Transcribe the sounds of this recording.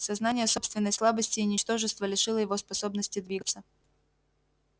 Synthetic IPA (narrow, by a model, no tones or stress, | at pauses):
sɐznanʲɪjəso̞pst̪vʲɪnːəjslˠabəsʲtʲɪːnʲɪt͡ɕt̪o̞ʐɨst̪vəlʲɪʂɨlˠəjɪvospɐso̞bnəsʲtʲɪd̪vʲiɡət̪sə